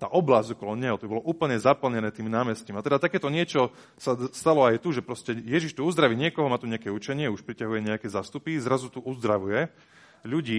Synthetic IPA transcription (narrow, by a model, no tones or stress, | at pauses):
t̪a̰ːʔɔblazɟɔkɔlɔɲɛɦɔt̪ɔbibɔlɔʔuːpl̩ɲɛzapl̩ɲɛnɛːt̪iːmnaːmɛscimiat̪ɛd̪at̪akɛːt̪ɔɲɪɛt͡ʃɔ | sast̪alɔajt̪uʒɛpɾɔscɛjɛʒiʃt̪uuzd̪ɾaʋiːɲɪɛkɔɦɔmaːt̪uɲɛakɛːut͡ʃɛɲɪɛuʃpɾicaɦujɛɲɛakɛːzast̪upizɾazut̪uʔuzd̪ɾaʋujɛ | ʎuɟiː